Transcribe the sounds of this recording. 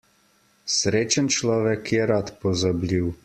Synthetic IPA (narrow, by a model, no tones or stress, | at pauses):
sɾeːt͡ʃənt͡ʃlɔːʋɛkʰjɛɾat̪pɔzablʲiw